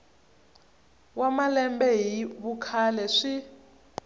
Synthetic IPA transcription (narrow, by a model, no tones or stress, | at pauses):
wamalɛmbɛɦiβukʰalɛʂi